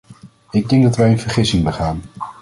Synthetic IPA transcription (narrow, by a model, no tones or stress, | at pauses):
ɪɡ̚dɛŋɡ̚dɑtʋɛjənvəɹχɪsɪŋbəχaːn